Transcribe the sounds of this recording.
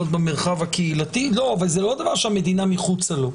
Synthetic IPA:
ot̪̚bemeʁχavakeilat̪ilo̞avalzelo̞d̪avaʁʃeame̞d̪inamiχut͡salo̞

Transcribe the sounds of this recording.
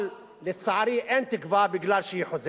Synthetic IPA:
l | lɪt̪sˤɑʕɾiːʔent̪ɪkvaːbɪɡlaːɾʃijħʊz

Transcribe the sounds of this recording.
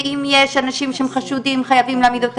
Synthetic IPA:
imjeʃanaʃimʃehemχaʃudimχajavimleaːmid̪ot̪

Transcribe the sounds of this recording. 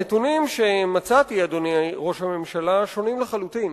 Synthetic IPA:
et̪unimʃe̞mat͡sat̪iad̪oneʁo̞ʃhame̞mʃalaʃo̞nimleχalut̪in

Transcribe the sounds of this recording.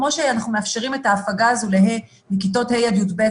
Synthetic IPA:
mo̞ʃeanaχnumeafʃeʁimetaːfaɡazuleɦe | mikito̞thejad̪judbe

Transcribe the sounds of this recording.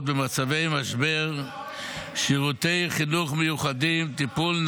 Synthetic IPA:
t̚bemat͡savejmaʃbeʁ | ʃiʁut̪ejχinuχmejuχad̪imt̪ipuln

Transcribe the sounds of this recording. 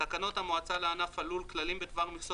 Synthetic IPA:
akano̞t̪hamoat͡saleanafalulklalimbed̪vaʁmiso

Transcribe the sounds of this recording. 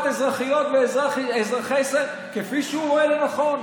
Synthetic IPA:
t̪ezʁaχijot̪veezʁaχezʁaχese | kefiʃeuʁoelonaχo̞n

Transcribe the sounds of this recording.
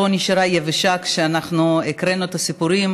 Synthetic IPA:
oniʃaɾajeveʃakʃeanaχnuekɾenuet̪asipuɾim

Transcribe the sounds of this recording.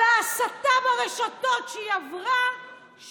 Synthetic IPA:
easat̪abaʁeʃatotʃejavʁa | ʃ

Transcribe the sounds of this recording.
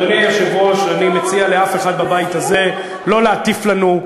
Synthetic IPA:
aniaʃavuaʃanimet͡sialeafe̞χad̪̚babajt̪aze̞ | lo̞leat̪iflanu

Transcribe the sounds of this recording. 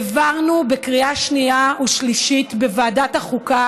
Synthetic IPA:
vaʁnubekʁiaʃniauʃliʃitbevaːdataχuka

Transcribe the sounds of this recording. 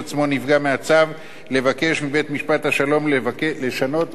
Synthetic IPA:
t͡smo̞nivɡameat͡sav | le̞vake̞ʃmibe̞t̪miʃpat̪haʃalo̞mlkleʃano̞t

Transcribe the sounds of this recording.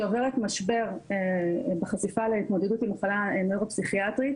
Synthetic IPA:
ove̞ʁet̪maʃbe̞ʁebeχasifaleit̪mo̞d̪edut̪imaχalaemeʁopsiχiat̪ʁit

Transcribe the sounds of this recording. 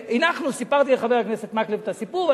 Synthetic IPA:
inaχnusipaʁt̪ileχaveʁakneset̪maklivt̪asipua

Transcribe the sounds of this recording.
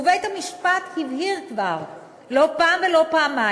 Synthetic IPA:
vet̪amiʃpat̪hivhiʁkvaʁ | lo̞paːmvelo̞paːma

